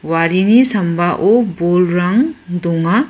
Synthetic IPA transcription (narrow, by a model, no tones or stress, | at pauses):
waɾinisɐmbaʔobolɾaŋd̪uŋa